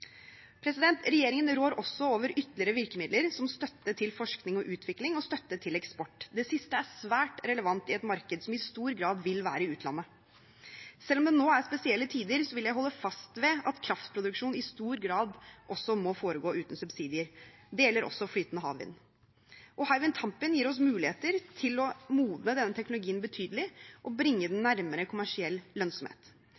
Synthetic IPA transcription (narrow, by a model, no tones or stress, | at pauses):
pʰɾɛsɪd̪ɛnt̪ɾɛjeːɾɪŋənɾoːɾʔɔsːɔoːʋəɾʔʏt̪lɪɾəʋɪɾkəmɪd̪ləɾsɔmst̪œt̪ːəʈ̪ʰɪlfɔʂknɪŋɔʔʉːt̪ʰʋɪklɪŋɔst̪œt̪ːəʈʰɪlɛkspɔʈːd̪ɛsɪst̪əæsʋæːʈɾɛləʋɑnt̪ɪɛt̪mɑɾkəd̪sɔmɪst̪uːɾɡɾɑːd̪ʋɪlʋæːɾəɪʉːt̪ʰlɑ̰nːə | sɛlːɔmd̪ɛnoːæɾspɛsɪɛlːət̪ʰiːd̪əɾsɔʋɪljæɪɦɔlːəfɑst̪ʋɛɑt̪kʰɾɑft̪pʰɾʊd̪ʉkʂuːnɪst̪uːɾɡɾɑːd̪ʔɔsɔmɔfoːɾəɡoːʔʉːt̪n̩sʉbsiːd̪ɪəɾd̪ɛːɛlːəɾʔɔ̰sːɔflyːt̪nəhɑ̰ːʋɪ̰nː | ʔɔhɑɪʋɪnt̪ʰɑmpɪnjiːɾɔsmʉːlɪeːt̪əɾt̪ʰɪlɔmuːd̪nəd̪ɛnːət̪ʰɛknʊlʊɡiːənbət̪ʰyːd̪əlɪʔɔbɾɪŋːəd̪ɛnːæɾməɾəkʰʊmæʂɪɛlːœnsɔmhḛːt̪